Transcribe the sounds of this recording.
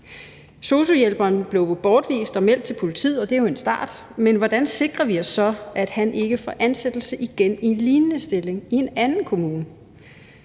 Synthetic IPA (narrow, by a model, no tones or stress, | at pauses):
so̝so̝jelb̥ɐːnb̥le̝ʊb̥ɒːd̥ʋḭːsd̥ɒ̽mel̰d̥̚t͡sʰe̝lpʰo̝lit͡sʰḭð̰ˠɒ̽d̥e̝æjo̝e̝nsd̥ɑ̰̈ːd̥menʋɒd̥ænse̝ɡ̥ʁɐʋiɒ̽sːɒ̽ʔæd̥hænʔe̝ɡ̥əfɒ̰ʔænsed̥l̩səʔiɡ̥enie̝nliːnənəsd̥e̝le̝ŋie̝nænn̩kʰo̝muːnə